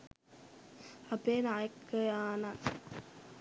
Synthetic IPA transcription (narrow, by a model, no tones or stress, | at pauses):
ɐpeːnaːjəkːəjaːna